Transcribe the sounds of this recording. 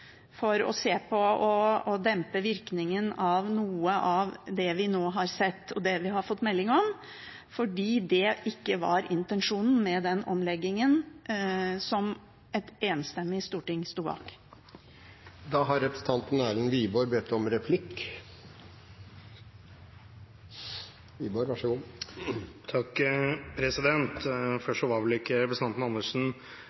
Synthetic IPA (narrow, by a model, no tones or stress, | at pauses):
fɔɾɔ̰seːpʰɔɔɔd̪ɛmpəʋɪɾknɪŋənɑʋnuːəʔɑʋd̪ɛʋɪnoːɦɑɾsɛt̪ːɔd̪ɛʋɪɦɑɾfɔt̪ːmɛlːɪŋɔm | fɔɖiːd̪ɛʔɪkːəʋɑ̰ɾʔɪnt̪ənʂuːnn̩mɛd̪ɛnɔ̰mlɛɡːɪŋən | sɔm | ɛt̪eːnst̪ɛmːɪst̪uːʈɪŋst̪uːbɑ̰ːk | d̪ɑːɦɑɾɛpɾəst̪ʰɑnt̪n̩æːlənʋiːboːɾbɛt̪ʰːɔmɾɛpʰlɪkː | ʋiːboːɾʋɑʂəɡuː | t̪ʰɑkpʰɾɛsɪd̪ɛnt̪fœʂɔʋɑʋlɪkːəɾɛpɾəst̪ɑnt̪n̩ɑnːəʂn̩